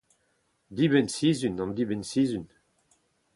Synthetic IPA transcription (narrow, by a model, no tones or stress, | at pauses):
d̪ibɛnsiːzynɑ̃nd̪ibɛnsiːzyn